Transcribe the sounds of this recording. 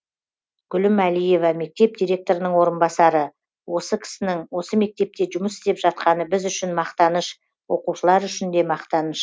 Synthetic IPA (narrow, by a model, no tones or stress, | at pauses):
ɡ̥ʲʏlɪmælije̞vɑme̞k̚t̪e̞p̚d̪ʲijɾʲe̞k̚t̪o̞ɾənəɴwo̞ɾənbɑsɑɾə | wo̞səkʲʰɪ̥sɪnɪŋwo̞səme̞k̚t̪e̞p̚t̪e̞ʒʊməsɪzepʒ̥ɑt̪qɑnəbɪzʏʃɪnmɑqt̪ɑnəʃ | wo̞quʃəlˠɑɾʏʃɪnd̪e̞mɑqt̪ɑnəʃ